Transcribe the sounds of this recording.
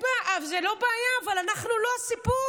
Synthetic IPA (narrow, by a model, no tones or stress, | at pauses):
aʔavzelo̞baːjaːvalanaχnuloasipu